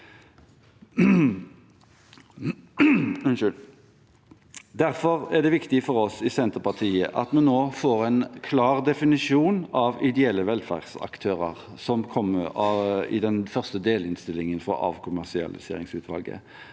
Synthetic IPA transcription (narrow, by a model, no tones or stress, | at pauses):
ʉnʃʉl | d̪æʁfɔʁæʁd̪ɛʋɪkt̪ɪfɔɾɔsɪsɛnt̪əʁpɑt̪ʰiːəʔɑt̪mɛnːoːfoːʁɛnkʰlɑːʁd̪ɛfɪnɪʂɪuːnɑʋɪd̪ɛɛlːəʋɛlfæ̰ʁd̥̪sɑ̰kt̪ʰøːʁə̰ʁ | sɔmkʰɔmːəɑɪ̰d̪ɛnfœʁst̪əd̪eːlɪnst̪ɪlːɪŋənfɾɔ̰ʔɑ̰ːʋkʰʊmæʁsɪɑ̰lɪ̰sḛːʁɪŋsʉːt̪ʰʋɑ̰lɡə̰